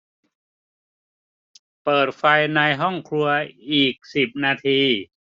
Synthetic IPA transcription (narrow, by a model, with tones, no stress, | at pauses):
pɤː˨˩t̪̚fa˧jna˧jɦɔ˥˩ŋkʰɾu˧ɐiː˨˩k̚si˨˩p̚naː˧t̪ʰiː˧